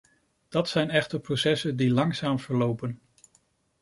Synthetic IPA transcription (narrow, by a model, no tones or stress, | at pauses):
d̥ɑtsɛjnɛχtəɹprosɛsəndilɑŋsaːmv̥əɹlowpən